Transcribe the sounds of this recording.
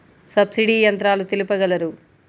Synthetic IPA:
sɐbsiɖiːjɐnt̪ɾaːlut̪ilipɐɡɐlɐɾu

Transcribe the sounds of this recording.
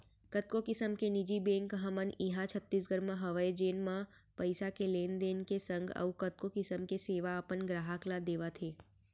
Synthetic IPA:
kət̪̚kokɪsəmkenɪd͡ʒibẽːŋkɦəməniɦãt͡ʃʰət̪ːisɡəɾmãɦɐʋəed͡ʒeːnmã | pəɪsakeleːnd̪eːnkesə̃ŋɡə̰ukət̪̚kokɪsəmkeseːʋaəpənɡɾaːɦaklad̪eːʋat̪ʰeː

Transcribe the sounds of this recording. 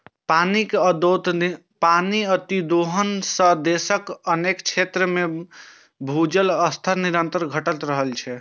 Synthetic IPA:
panikd̪ot̪ | paniət̪id̪oɦənsə̃d̪esəkənekt͡ʃʰet̪ɾəme | bʱud͡ʒələst̪ʰəɾniɾənt̪əɾɡʱəʈət̪ɾəɦəlt͡ʃʰɛ

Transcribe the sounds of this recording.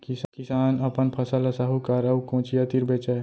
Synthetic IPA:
kiskɪsaːnəpənpʰəsələsaɦukaɾəukõːt͡ʃijat̪iɾbet͡ʃɛ

